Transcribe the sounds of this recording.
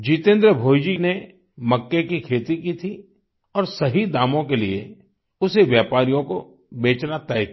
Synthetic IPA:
d͡ʒit̪ẽːnd̪ɾəbʱoːjd͡ʒine | mɐkːekikʰeːt̪ikit̪ʰi | ɔːɾsɐɦid̪aːmõkelie | ʊseʋjaːpaːɾijõko | beːt͡ʃnat̪ɛːjt̪

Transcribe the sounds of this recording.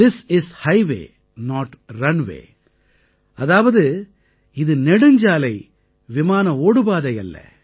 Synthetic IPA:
ɪsɪshɐɪʋḛː | nɔːʈɾɐnʋḛː | ɐðaːʋɐðɯ | ɪðɯnɛɽɯɲd͡ʒaːlɐɪ | ʋɪmaːnɐoːɽɯbaːðɐɪɐ̰lːɐ̰

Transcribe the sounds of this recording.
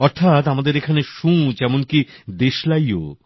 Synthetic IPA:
ɔɾt̪ʰat̪amad̪eɾekʰaneʃũd͡ʑɛmonkid̪eʃlajo̰

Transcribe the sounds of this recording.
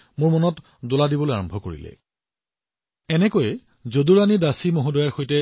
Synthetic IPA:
mʊɹmɔnɔt | doladibolojaɹɔmbʱɔkoɹḭlɛ̰ | ɛnɛkojɛ | zoduɹanidasimoɦudɔjaɹxojtɛ

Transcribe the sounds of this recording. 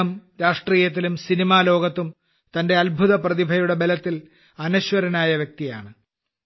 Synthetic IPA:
ɐmɾaːʂʈriːjɐt̪̬ːilumsinimaːlo̞ːɡɐt̪ːum | t̪ɐnde̞ɐlbʱuðɐprɐðibʱɐjuɽe̞be̞lɐt̪ːil | ɐnuɕwɐɾɐnaːjɐʋjek̚t̪ijaːɳɨ

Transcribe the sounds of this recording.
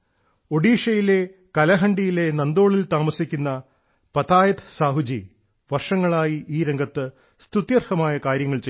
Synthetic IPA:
o̞ɽiːʂɐjile̞ | kɐlɐɦɐɳɖijile̞nɐnd̪o̞ːɭilt̪aːmɐsikʲːunːɐ | pɐt̪aːjɐt̪ʰsaːɦud͡ʑi | ʋɐrʂɐŋːɐɭaːjiʔiːɾe̞ŋɡʱɐt̪ːɨ | st̪ut̪jɐrhɐmaːjɐkaːɾjɐŋːɐɭt͡ɕe

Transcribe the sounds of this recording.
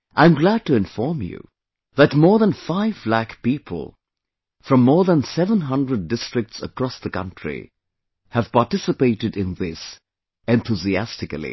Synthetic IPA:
ʔãɪ̃mɡlæd̚tɨɪ̃ɱfɔɹmjṵ | ðætmɔɹðə̃nfaɪvblækpiːpʰə̰l̩ˠ | fɹʌ̃mːɔɹðə̃nsɛvə̃nɦʌ̃ndɹədːɪstɹ̥ɨk̚tsə̰kɹ̥ɔsðəkʌ̰̃ntɹ̥ḭ | həv̥paɹtɪsɨpeɪɾɨdɪ̃nðɪs | ɛ̃nθʰuziæstɨkəlˠḭ

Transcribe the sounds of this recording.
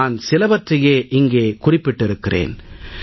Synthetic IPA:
aːnsɪlɐbɐtrɐjeːʔɪŋɡeːkʊrɪpːɪʈːɪɾɯkːɪrḛːn

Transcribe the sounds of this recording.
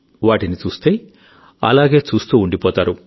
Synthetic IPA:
ʋaːʈinit͡ʃuːst̪e̞ː | ɐ̰laːɡe̞ːt͡ʃuːst̪uːɳɖipɔːt̪aːɾu

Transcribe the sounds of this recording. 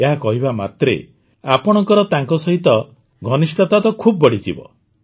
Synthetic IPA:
eɦakɔɦibama̰t̪ɾḛ | apɔɽ̃ɔŋkɔɾɔt̪aŋkɔsɔɦit̪ɔ | ɡʱɔnisʈɔt̪at̪ɔkʰubɔbɔɽid͡ʒḭbɔ̰

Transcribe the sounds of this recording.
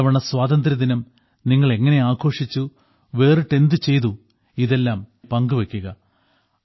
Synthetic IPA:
ɐʋɐɳɐsʋaːd̪ɐnd̪ɾɐd̪inɐm | niŋːɐɭe̞ŋːɐne̞aːkʰo̞ːʂit͡ɕːu | ʋe̞ːrɨʈe̞nd̪ɨt͡ɕe̞jt̪u | iðe̞lːaːmpɐŋɡuʋekʲːuɣɐ

